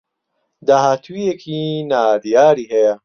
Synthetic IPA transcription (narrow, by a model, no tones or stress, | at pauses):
d̪aɦat̪ʰwijekʰinaːd̪ijaːɾiɦeja